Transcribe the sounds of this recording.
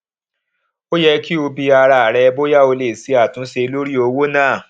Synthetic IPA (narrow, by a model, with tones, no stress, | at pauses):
o˦jɛ˧ki˦o˧bi˧a˧ɾa˨ɾɛ˧bo˦ja˦˨o˧le˨si˨˦a˦˨tũ˨˦se˧lo˦ɾi˦o˧wo˦nãː˦˨